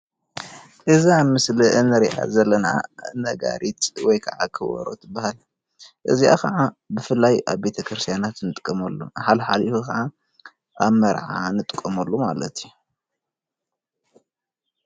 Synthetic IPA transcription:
ʔɨziamɨsliʔɨnɨɾiʔa̰zɐlːɐna̰nɐɡa̰ɾit̪wɔjkʰɐʕakʰɨwɐ̰ɾo̰t̪ʰɨbːahal | ʔɨziʔa̰kʰɐʕabɨfɨlːajaβbe̞t̪ʰɐkʰɾɨst̪ʰijanat̪nɨt̪ʼɨkʼːɐmɐlːo̰ħalħalifukʰɐʕa | ʔaβmɐɾʕanɨt̪ʼɨkʼːɐmɐlːomalɐ̰t̪ʰiu

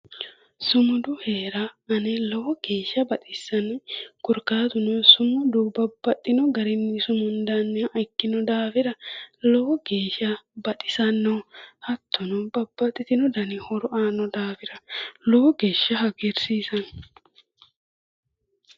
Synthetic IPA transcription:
sʊmʊd̪ʊheːɾɐɐnɛlɔwɔɡ̥e̞ːʃːɐbɐt̪ʼɪsːɐnɔkʊɾkaːt̪ʊnɔsʊmʊd̪ʊwbɐbːɐt̪ʼːɪnɔɡɐɾɪnːɪsʊmʊnd̪anːɪɐʔɐjkːɪnɔd̪aːfɪɾɐlɔwɔɡeːʃɐbɐt̪ʼɪ̥sɐnːɔhɐt̪ʰːʊnɔbɐbːɐt̪ʼːɪt̪ɪnɔd̪ɐnɪhɔɾɔʔaːnɔd̪aːfɪɾɐlɔwɔɡeːʃːɐɦɐɡeɾsiːsɐn

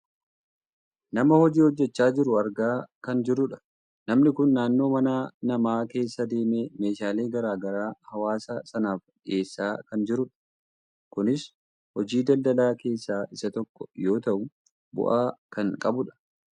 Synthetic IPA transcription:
nɐmɐhɔd͡ʒiːhɔd͡ʒːɛt͡ʃːaːd͡ʒɪɾʊɐɾɡaːkɐnd͡ʒɪɾʊᶑɐ̥ | nɐmnɪkʊnːaːnːo̞ːmɐnaːnɐmaːke̞ːsːɐd̪e̞ːmeːme̞ːʃaːle̞ːɡɐɾaːɡɐɾaːhɐwaːsɐsɐnaːfᶑɪʔe̞ːsːaːkɐnd͡ʒɪɾʊᶑɐ̥ | kʊnɪs | hɔd͡ʒiːd̪ɐld̪ɐlaːke̞ːsːaːʔɪsɐt̪ɔkːɔ̥jo̞ːt̪ɐʔʊ | bʊ̰ʔaːkɐŋkʼɐbʊᶑɐ̥

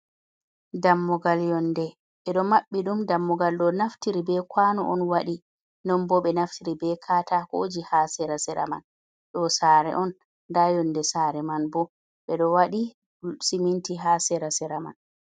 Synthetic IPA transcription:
damːɔɡaljɔndɛ | ɓɛɗɔmaɓːiɗumdamːɔɡalɗɔnaftiɾibɛkwanɔʔɔnwaɗi | nɔmbɔɓɛnaftiɾibɛkʰaːtahod͡ʒihasɛɾasɛɾa̰ma̰n | ɗɔsaːɾɛ̰ʔɔn | dajɔndɛsaɾɛmanbɔ | ɓɛɗɔwaɗi | simintiɦaːsɛɾasɛɾama̰n

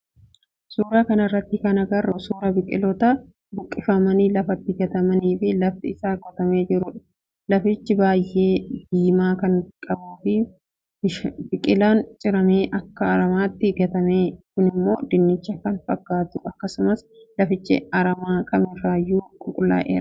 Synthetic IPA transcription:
suːɾaːkɐnɐrːɐt̪ːɪkɐnɐɡɐrːʊsuːɾɐbɪkʼɪ̰lɔt̪ɐ | bʊkʼːɪfɐmɐniːlɐfɐt̪ːɪɡɐt̪ɐmɐniːfɪlɐft̪ɪɪsaːɡɔt̪ɐme̞ːd͡ʒɪɾʊᶑɐ̥ | lɐfɪt͡ʃːɪbaːjʔe̞ːd̪iːmaːkɐŋkʼɐbuːfɪ | bʃbɪkʼɪlaːnt͡ʃʼɪɾɐme̞ːʔɐkːɐːɾɐmaːt̪ːɪɡɐt̪ɐmeːkʊnɪmːo̞̰ːd̪ɪnːɪt͡ʃːɐkɐnfɐɡːaːt̪ʊʔɐkːɐsʊmɐs | lɐfɪt͡ʃːɪ̰ɐɾɐmaːkʼɐmɪraːjːuːkʼʊkʼʊlːa̰ːʔḛːɾɐ̥

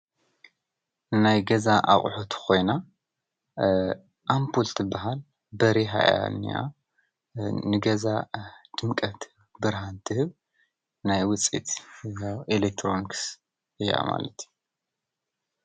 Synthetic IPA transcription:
najɡɐzaʔa̰χʼħot̪ʰkʰo̞jna | ʔampʰult̪ʰɨbːaɦal | bɐɾiɦa̰ʔa̰nḭa̰ | nɨɡɐzad̪̥ɨmkʼɐt̪ʰ | bɨɾɦant̪ʰɨhɨβ | najwɨt͡sʼḭt̪ʰawilek̚t̪ʰɾo̞niks | ɨjːa̰ma̰lɐt̪ʰju

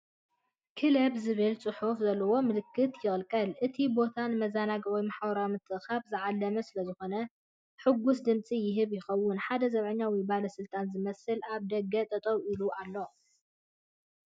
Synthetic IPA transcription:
kʰɨlɐbzɨβɨlt͡sʼɨħufzɐlːɐwo̞mɨlɨkʰːɨt̪jɪχʼlkʼɐlʔɨt̪ʰibo̞t̪ʰanmɐzanaɡɐwjmaħabɔɾawmɨt̪ʼʰːɨʔxabzɨʕalːɐmɐsɨlɐzɨxo̞nɐ | ħɨɡːusd̪ɨmt͡sʼijɪɦɨβjɪxɐwːʊnħad̪ɐzɐβʕɨɲːawibalɐsɨlt̪ʼanzɨmɐsɨlaβd̪ɐɡɐt̪ʼɐt̪ʼɐwiluʔalːo̞

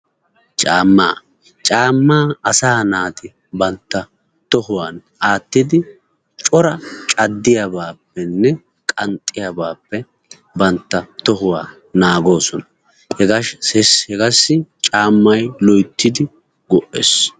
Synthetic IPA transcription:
t͡ʃʼaːmːaː | t͡ʃʼaːmːaːɐsaːnaːt̪ɪ | bɐnt̪ːɐ | t̪ɔɦʊwaːnʔaːt̪ːɪd̪ɪ | t͡ʃʼɔɾɐt͡ʃʼɐd̪ːɪjabaːpːɛnːɛ | kʼɐnt̪ʼːɪjabaːpːɛ | bɐnt̪ːɐt̪ɔɦʊwa̰ː | naːɡo̞ːsɔnɐ | hɛɡɐʃɛshɛɡɐsːɪt͡ʃʼaːmːɐjlɔjt̪ːɪd̪ɪ | ɡɔʔḛːs

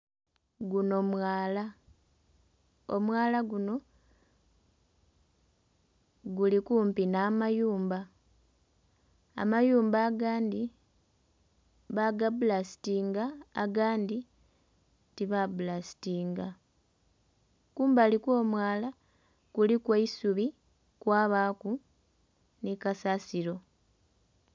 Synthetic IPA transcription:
ɡuno̞mwaːla | omwaːlaɡuno̞ | ɡulikuːmpinaːmajuːmba | majuːmbaːɡaːndi | βaɡabulasi̥tiːŋɡaːɡaːndi | tiβabulasi̥tiːŋɡa | kuːmbalikwo̞ːmwaːla | kulikwaisuβi | kwaːβaːku | nikasasiɾo̞

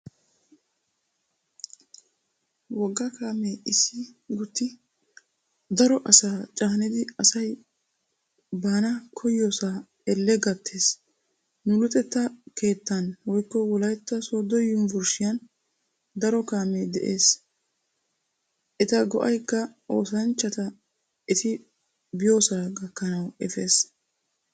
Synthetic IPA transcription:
wɔɡːɐkaːmeɪsɪɡʊt̪ːɪ | d̪ɐɾɔʔɐsaːt͡ʃʼaːnɪd̪ɪɐsɐj | baːnɐkʰɔjːoːsaː | ɛlːɛɡɐt̪ʰːe̞ːs | nʊlʊt̪ʼɛt̪ːɐkʰe̞ːt̪ːɐnwɔjkːɔwɔlɐjt̪ːɐsoːd̪ɔjʊnvʊɾʃɪjɐn | d̪ɐɾɔkaːmed̪ɛ̰ʔe̞ːs | ʔɛt̪ɐɡɔ̰ʔɐjkːɐo̞ːsɐnt͡ʃːɐt̪ɐ | ɪt̪ɪ | bɪjo̞ːsaːɡɐkːɐnɐwɛfe̞ːs

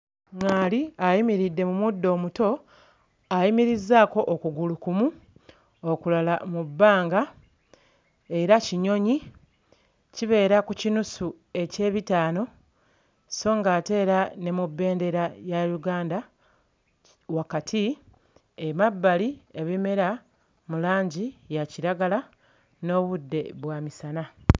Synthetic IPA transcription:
ŋaːliajimiɾidːe̞mumudːo̞ːmuto̞ | ajimiɾizːaːko̞ʔokuɡulukumu | okulalamubːaːŋɡa | e̞ɾaciɲo̞ɲi | ciβe̞ːɾakucinusu | e̞ce̞ːβitaːno̞ | so̞ːŋɡaːte̞ːɾane̞mubːe̞ːnde̞ɾajaɾuɡaːnda | wakatʰi | emabːalie̞βime̞ɾa | mulaːɲɟijaciɾaɡala | no̞ːβudːe̞̰βwaːmisana

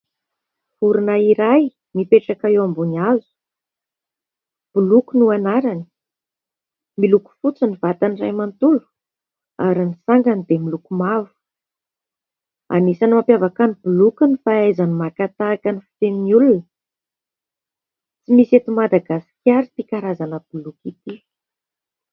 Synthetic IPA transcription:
fuɾunaiɾaj | mipeʈ͡ʂakaewambunazu̥ | b̥ulukunuanaɾani̥ | miluku̥fut͡sinivat̪anirajmant̪ulu̥ | aɾinisaŋɡanid̪emilukumavu̥ | a̰nisanimampjavakanibulukunifaajzanimakat̪aːkənifi̥t̪emniulunə | t͡simiset̪umad̪aɡasi̥kʲaɾit̪ikaɾazanəb̥ulukit̪i

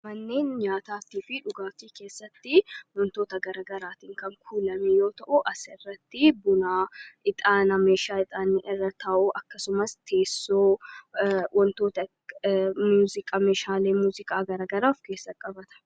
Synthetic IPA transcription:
mɐnːe̞ːnɲaːt̪aːt̪iːfɪᶑʊɡaːfiːke̞ːsːɐt̪ːɪwɔnt̪oːt̪ɐɡɐɾɐːɡɐɾaːt̪iːŋkɐŋkʰuːlɐmɛjo̞ːt̪ɐʔʊʔɐsɛrːɐt̪ːɪbʊnaːɪt̪ʼaːnɐme̞ːʃaːɪt̪ʼaːnːɪʔɪrːɐt̪ʰaːʔuʔɐkːɐsʊmɐst̪ʰe̞ːsːoː | wʔɔnt̪o̞ːt̪ɐ | muːzɪkʼameːʃaːleːmuːzɪkʼaːɡɐɾɐːɡɐɾaːfke̞ːsːɐkʼɐbɐt̪ɐ̥

